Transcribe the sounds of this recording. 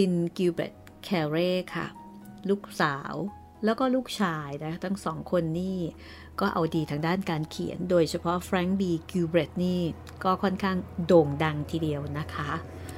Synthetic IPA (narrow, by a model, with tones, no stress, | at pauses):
si˧nkuː˧bḛ˨˩t̪̚ | kʰɛː˧ɾeː˥˩kʰa̰˥˩ | luː˥˩k̚saː˩˦w | lɛː˦˥wkɔː˥˩luː˥˩k̚t͡ɕʰaː˧jna˦˥kʰa˥˩t̪ʰa˦˥˩ŋsɔː˩˦ŋkʰo˧nːiː˥˩ | kɔː˥˩ʔa̰˧wdiː˧t̪ʰaː˧ŋdaː˥˩nkaː˧nkʰḭ˨˩˦ə˦ndoː˧jt͡ɕʰa˧pʰɔ˦˥fɾɛ˦˥ŋbiː˧kuː˧bɾe˨˦˩t̪̚niː˥˩ | kɔː˥˩kʰɔ˥˩nkʰaː˥˩ŋdoː˧ŋda˧ŋt̪ʰiː˧˩di˧əwna˦˥kʰa˦˥ʔ